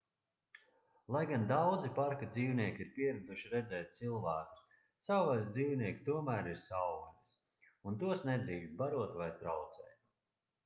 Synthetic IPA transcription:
lˠajɡand̪awd̪zipaɾkad̪ziːwniɛkʲiɾpiɛɾud̪uʃiɾɛd̪zɛːt̪̚t̪silˠvæːku̥s | sawvajsd̪ziːwniɛk̪t̪uɔmæːɾiɾsawvanis | unt̪uɔsnɛd̪ɾiːkst̪̚baɾuɔt̪vajt̪ɾawt̪sɛ̰ːt̪̚

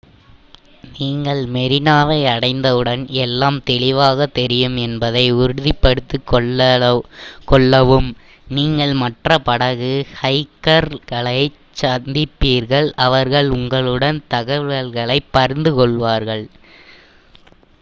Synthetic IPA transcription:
niːŋɡɐɭmɛɾɪnaːʋɐɪɐɽɐɪnd̪ɐʋɯɽɐnɛlːaːmt̪ɛɭɪʋaːɣɐt̪ːɛɾɪjɯmɛnbɐðɐɪʊɾɯðɪpːɐɽɯt̪ːɯkɔɐ | kɔɭːɐʋɯm | niːŋɡɐɭmɐʈrɐpɐɽɐɣɯhɐɪkːɐɾɣɐɭɐɪ | t͡ʃɐnd̪ɪpːiːɾɣɐɭɐʋɐɾɣɐɭʊŋɡɐɭɯɽɐnt̪ɐɣɐʋɐɭɣɐɭɐɪpːɐɾɪnd̪ɯkɔɭʋaːɾɣɐɭ

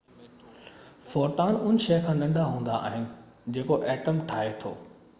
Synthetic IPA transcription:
fɔːɾʈaːnʊnɪ̆ʃɐjkʰãːnɐ̃ɳɖʱaɦũːnd̪a̰a̰ːɦɪnɪ̆ | d͡ʑeːkoʔɛːʈəmʈʰaːɦet̪ʰo̰ː

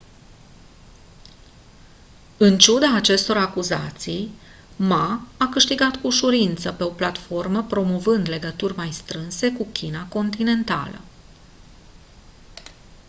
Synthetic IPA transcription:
ɨnt͡ʃud̪aːt͡ʃe̞st̪o̞ɾakuzat̪sij | maakɨʃt̪iɡat̪kuʃuɾint̪səpe̞o̞plat̪fo̞rməpɾo̞mo̞vɨnd̪le̞ɡət̪urʲmajst̪ɾɨnse̞kukʲʰinako̞nt̪ine̞nt̪a̰lə̰

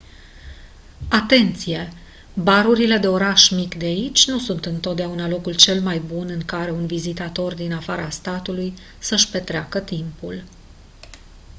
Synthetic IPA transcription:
at̪e̞nt̪sije̞ | baɾuɾile̞d̪e̞o̞ɾaʃmikd̪eait͡ʃʲnusunt̪ɨnt̪o̞t̪d̪eaunalo̞kult͡ʃe̞lmajbunɨŋkaɾe̞unvizit̪at̪o̞rd̪inafaɾast̪at̪uluj | səʃpe̞t̪ɾeakət̪impul

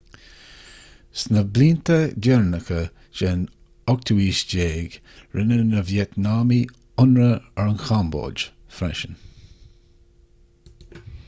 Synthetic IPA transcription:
snəbliːnt̪ədɛɹnəkʰə | ʃen | ɔk̚t̪ʰuwiːʃd͡ʒeːɡ | ɹʔɪnənəvjɛt̪naːmi | ʊnɹəɛɹənxambo̰ːd͡ʒ | fɾɛʃən

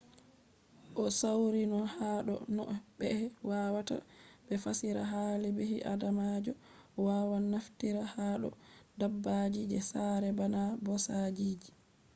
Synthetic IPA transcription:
ʔɔsawɾinɔhaːɗɔ̰nɔ̰bɛwawata̰bɛfasiɾaɦalibehiʔa̰damad͡ʒɔ | waːwanaftiɾahaːɗɔ̰dabːad͡ʒid͡ʒɛsaɾɛbanabɔsad͡ʒiːd͡ʒi

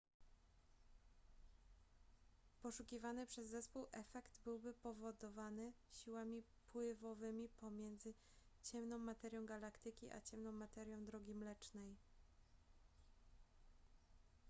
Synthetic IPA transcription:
pɔʂukʲivanɘpʂɛzːɛspuwʔɛfɛkt̪bɘwbɘpɔvɔd̪ɔvanɘ | ɕiwamʲi | pwɘvɔvɘmʲipɔmʲjɛnd̪zɘ | t͡ɕɛmnɔ̃w̃mat̪ɛɾjɔ̃w̃ɡalakt̪ɘkʲiʔa̰t͡ɕɛmnɔ̃w̃mat̪ɛɾʲjɔ̃w̃d̪ɾɔɡʲimlɛt͡ʂnɛj

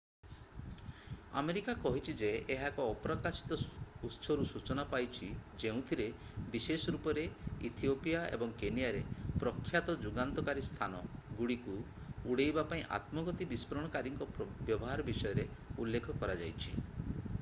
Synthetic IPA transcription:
a̰meɾikakɔɦit͡ʃʰid͡ʒeeɦakɔːpɾɔkasi̥t̪ɔutːsʰɔɾusut͡ʃɔnapajt͡ʃʰid͡ʒeũt̪ʰiɾe | bisesɔɾupɔɾeḭt̪ʰiopijaḛbɔŋkenijaɾepɾɔkʰːjat̪ɔd͡ʒuɡant̪ɔkaɾist̪ʰanɔɡuɽiku | uɽejbapaĩʔa̰t̪mɔɡɔt̪ibispɔɾɔɽ̃ɔkaɾiŋkɔbjɔbɔɦaɾɔbisɔjɔɾeulːekʰɔkɔɾad͡ʒa̰jt͡ʃʰḭ

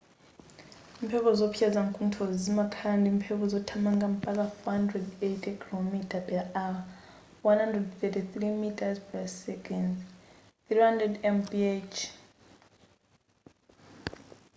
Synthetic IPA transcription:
im̩pʰɛpɔzɔpʰiad͡zaŋkʼuntʰɔzimakʰandimpʰɛpʰɔzɔtʰamaŋɡam̩pʼak̬afɔhandrɛdetʰʼɛkʰilomitʼapʰʼɛʔa | wanhandrɛdθɛtiθɾimitʼazpʰɛssɛkɛnd | θɾihandɾɛdɛmpiet͡ʃʰ

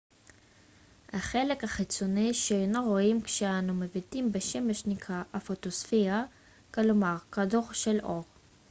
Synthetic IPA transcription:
haχelekhaχit͡soniʃeenoʁoimkʃeanumevitimbeʃemeʃnikʰaʔafot̪osfia | klomaʁkadoʁʃelʔoʁ

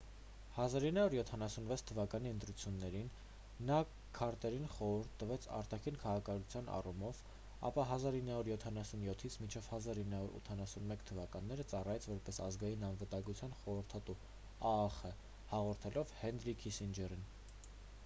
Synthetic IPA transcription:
hɑzɑɾinːɑuɾjɔt̪ʰɑnɑsunvɛt͡sʰt̪ʰəvɑkɑniənt̪ɾut͡sʰjunːɛɾinː | ɑ | kʰːɑɾt̪ɛɾinχɔɾuɾt̪ːəvɛt͡sʰɑ̰ɾt̪ɑkʰinkʰɑʁɑkʰɑnut͡sʰjɑnɑ̰rumɔv | ɑ̰pɑɦɑzɑɾinːɑuɾjɔt̪ʰɑnɑsunjɔt̪ʰit͡sʰmint͡ʃʰɛvhɑzɑɾinːɑuɾṵt̪ʰɑnɑsunmɛkt̪ʰəvɑkɑnːɛɾət͡sɑrɑjɛt͡sʰvɔɾpɛsɑzɡɑjinɑnvət̪ɑŋɡut͡sʰjɑnχɔɾəɾt̪ʰɑt̪u | ɑːχə | hɑʁɔɾt̪ʰɛlɔvhɛnɾikʰisind͡ʒɛɾin

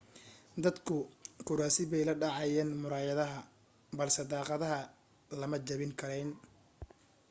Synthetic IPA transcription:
d̪ɐd̪kʰʊkʰʊɾaːsɪβɛjlɐɖɑʕɑjɛːnmʊɾaːjɐðɐɦɐ | bɐlsɛd̪ɑːqɑðɐɦɐ | lɐmɐt͡ʃɐβɪŋkʰɐɾɛjn

